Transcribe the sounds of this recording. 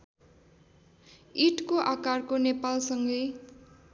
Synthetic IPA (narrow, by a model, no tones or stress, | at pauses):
iʈkoʔakarkonepalsʌŋɡʌj